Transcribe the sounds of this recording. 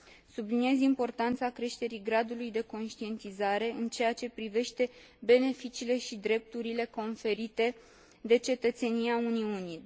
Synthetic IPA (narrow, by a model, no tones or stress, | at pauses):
subliniezimpo̞rt̪ant̪sakɾe̞ʃt̪e̞ɾiɡɾad̪ulujd̪e̞ko̞nʃt̪ie̞nt̪izaɾe̞ɨnt͡ʃe̞jat͡ʃe̞pɾive̞ʃt̪e̞ | be̞ne̞fit͡ʃiːle̞ʃid̪ɾe̞p̚t̪uɾile̞ko̞nfe̞ɾit̪e̞ | d̪e̞t͡ʃe̞t̪ət̪se̞niauniuni